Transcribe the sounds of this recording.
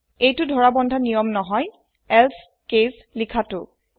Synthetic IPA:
ejtʊdʱɔɹabɔndʱanijɔmnɔɦɔj | ɛls | kes | likʰatʊ̰

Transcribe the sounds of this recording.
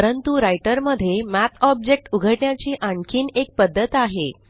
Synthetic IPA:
əɾənt̪uɾajʈəɾməd̪ʱːjemæt̪ʰɔb̚d͡ʑek̚ʈuɡʱəʈɳjat͡ɕiːʔaɳkʰiːnek̚pəd̪ʱːət̪aɦe

